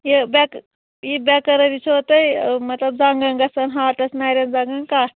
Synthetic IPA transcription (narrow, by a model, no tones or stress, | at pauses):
jibɛk | jibɛkɐɾɐɾit͡ʃʰoːt̪ɐjmɐt̪lɐbd͡zaːŋɡɐŋɡɐsɐnɦaːʈɐsnaːɾʲɐnd͡zaːŋɡɐnkaː